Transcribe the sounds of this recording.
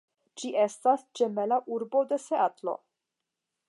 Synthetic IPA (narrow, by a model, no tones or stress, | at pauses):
d͡ʒiʔe̞stasd͡ʒe̞melaʔuɾbo̞de̞se̞atlo̞̰